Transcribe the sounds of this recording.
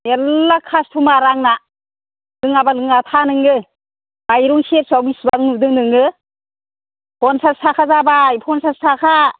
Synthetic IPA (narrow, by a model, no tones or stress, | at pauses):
elːakʰastʰumaɾaŋna | lɯŋabalɯŋatʰanɯŋɯ | bajɾuŋset̚sawbisbanudɯŋdɯŋɯ | pʰɔnsassʰakʰazabajpʰɔnsastʰakʰa